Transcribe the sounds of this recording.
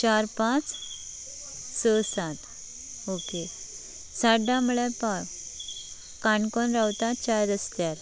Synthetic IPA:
t͡ɕaɾpãt͡s | səsat̪ | oke | saɖãmuɭɛpak | kaɳkɔnɾawt̪at͡ɕajd̪əst̪jaɾ

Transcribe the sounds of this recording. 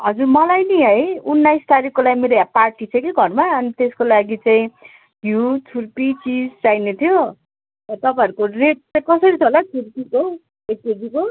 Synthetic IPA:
ɦʌd͡zurmʌlajniɦʌjunːajst̪aɾikːolaɡimeɾojaparʈit͡sʰʌ̃kiɡʱʌrmaʌnit̪eskolaɡit͡saĩ | bʱjut͡sʰurpit͡sid͡zt͡sajnet̪ʰjo | ʌt̪ʌpãʌɾukoreʈ̚t͡sakʌsʌɾit͡sʰʌlat͡sʰurpiko | eted͡ziko

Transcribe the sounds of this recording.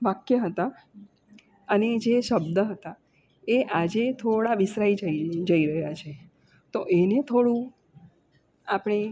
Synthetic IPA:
ʋakjəɦət̪a | əned͡ʒeʃəbd̪əɦət̪a | eʔad͡ʒet̪ʰoɽaʋɪsɾaid͡ʒəid͡ʒəiɾəɦejat͡ʃʰe | t̪oʔenet̪ʰoɽũ | apɽ̃e

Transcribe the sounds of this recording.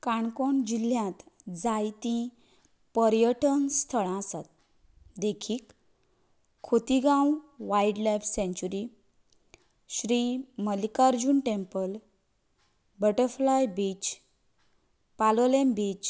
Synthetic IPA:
kaɳkɔɳd͡ʑiljãt̪d͡zajt̪ĩ | pəɾjəʈənst̪ʰəɭãsat̪̚ | d̪ekʰiːk | ot̪iɡãwʋaiɖlajfsẽɲt͡ɕuɾi | ɕɾiməlikaɾd͡ʑuːnʈempəl | bəʈəɾflajbit͡ɕ | palɔlembit͡ɕ

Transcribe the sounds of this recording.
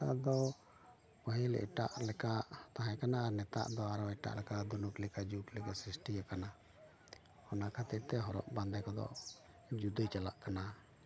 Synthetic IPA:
aʔd̪ɔ | pɔɦĩlɛ̰ʔʈaʔlɛkaʔt̪aɦɛ̃kanaːɾnɛt̪a̰ʔd̪ɔaɾɔɛʈa̰ʔlɛkad̪unuklɛkad͡ʒuklɛkasɾisʈijakana | hɔnakʰat̪ic̚t̪ɛɦɔɾɔ̰ʔband̪ɛkɔd̪ɔ̰ʔ | d͡ʒud̪əjt͡ʃala̰ʔkana

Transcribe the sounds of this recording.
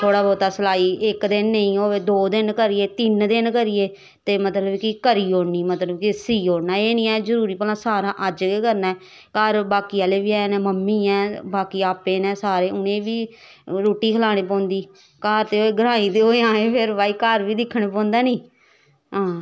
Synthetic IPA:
t̪ʰoːɽaːbɔːt̪aːsəlaːiːʔɪkd̪ɪnːəĩːoːed̪oːd̪ɪnkəɾɪeːt̪ɪnd̪ɪnkəɾɪjeː | t̪eːmət̪ləbkɪkəɾiːoːɽniːmət̪ləbkɪsiːoːɽnaːeːnĩːɛːzəɾuːɾiːpəlãːsaːɾãːʔəd͡ʒkekəɾnɛː | kəɾbaːkiːaːleːʋiːaːnẽːməmːiːɛ̃ːbaːkiːaːpeːnɛ̃ːsaːɾeːʊnẽːʋiː | ɾoːʈːiːkʰəlaːɽ̃eːp̬ɔ̃ːnd̪iː | kaːɾt̪eːoːeːɡəɾãːĩːt̪eːoːeãːẽːpʰɪɾʋaːiːkəɾʋiːd̪ɪkʰːəɳ̃eːpɔ̃ːnd̪aːnĩː | ɦãː

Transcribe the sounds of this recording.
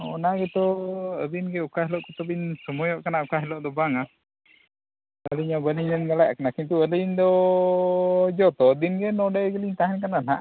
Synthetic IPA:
ɔnaɡɛt̪ɔəd̪inɡɛukaɦɛlɔʔkɔt̪ɔbinsɔmɔjɔʔkanaukaɦɛlɔʔd̪ɔbaŋa | əliɲabəliɲənɡalaʔkanakint̪uələɲd̪ɔ | d͡ʒɔt̪ɔd̪inɡɛnɔɖɛjɡəliɲt̪aɦɛnkananaʔ

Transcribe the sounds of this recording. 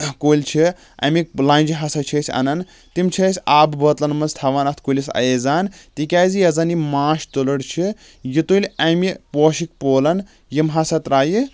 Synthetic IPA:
koːlʲt͡ʃʰi | ʔɐ̰mʲik̚lɐ̃ːnʲd͡ʒiɦɐsɐt͡ʃʰɐsʲɐ̰nɐn | t̪imt͡ʃʰisʲaːbbɐt̪lɐnmɐnst̪ʰɐʋaːnɐt̪ʰkulʲisɐ̰jeːzaːnt̪ikʲaːzijɐzɐnimaːʃt̪ulɐɽt͡ʃʰi | jit̪ulʲɐmʲipoːʃik̚poːlɐn | jimɦɐsɐt̪ɾaːji

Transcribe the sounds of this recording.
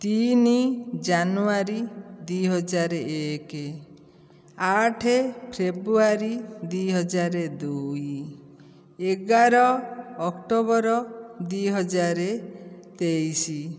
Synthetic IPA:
t̪inid͡ʒanuaɾid̪ujɦɔd͡ʒaɾeeke | aʈʰepʰɾebɾuaɾid̪ujɦɔd͡ʒaɾed̪uj | eɡaɾɔːkʈobɔɾɔd̪ujɦɔd͡ʒaɾet̪ejsi

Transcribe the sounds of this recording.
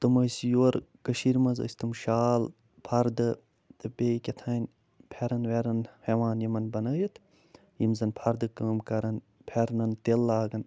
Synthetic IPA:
t̪ɐmɐːsjoɾkəʃiɾmɐzɐ̰sʲt̪ɨmʃaːl | pʰɐɾd̪ɨ | t̪ɨbʲeːjkʲet̪ʰaːnʲ | pʰeɾɐnʋeɾɐnheʋaːnjimɐnbɐnɐːjɐt̪ʰ | jimzɐnpʰɐɾd̪ɨkəːmkɐɾɐn | pʰeɾnɐnt̪elːaːɡɐn

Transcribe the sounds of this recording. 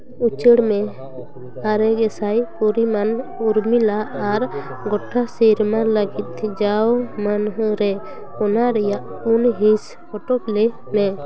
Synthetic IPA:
ut͡ʃəɽmɛ | aɾɛɡɛsajpuɾimanuɾmilaːɾ | ɡɔʈʰːasiɾmanləɡit̪̚d͡ʒawmanɦɾɛ | ɔnaɾɛjaʔ | unɦis | ɔʈɔp̚lɛ | mɛ

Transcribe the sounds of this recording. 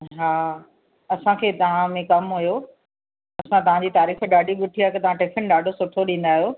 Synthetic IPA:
ɦaː | ɐsãkʰeːt̪ɐʋ̤ãmẽkɐmɦujoː | ɐsãt̪ɐʋ̤ãɲd͡ʑiːt̪aːɾiːfɗaːɖʱiɠʊʈʰiak̪ɐt̪ɐʋ̤ãʈeːfʰənɗaːɖʱosʊʈʰoɗĩːn̆d̪aːɦjoː

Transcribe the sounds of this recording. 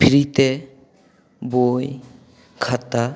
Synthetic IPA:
pʰiɾit̪e | boj | kʰat̪a

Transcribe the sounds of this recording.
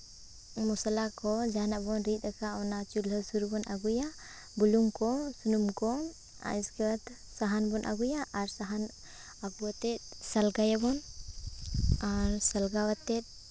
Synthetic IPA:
musalakɔd͡ʒanaʔbɔnɾit̪̚ˀakawnat͡ʃulɦəsuɾubɔnʔa̰ɡuja | buluŋkɔsunumkɔ | a̰iskɛwat̪ | saɦanbɔnʔa̰ɡujaʔaɾsaɦan | aɡuwat̪ɛt̪̚salɡajabɔn | aɾsəlɡawat̪ːɛt̪̚

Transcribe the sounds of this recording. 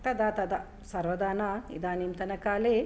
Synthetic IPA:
t̪ɐd̪aːt̪ɐd̪ɐ | sɐɾʋɐd̪aːnaḭd̪aːnimt̪ɐnɐkaːle

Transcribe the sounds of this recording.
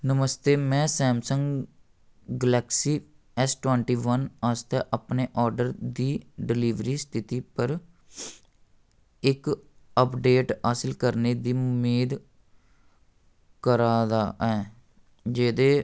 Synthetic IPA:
nəməst̪eːmɛ̃ːsɛːmsəŋɡ | ɡəlɛːksiː | ɛsʈwɛ̃ːɳʈiːʋənast̪ɛːʔəpneːʔɔːɾɖəɾd̪iːɖɪliːʋɾiːst̪ʰɪt̪iːpəɾ | ɪk | əpɖeːʈaːsɪlkəɾneːd̪iːmeːd̪ | kəɾaːd̪aːʔɛː | d͡ʒeːd̪eː

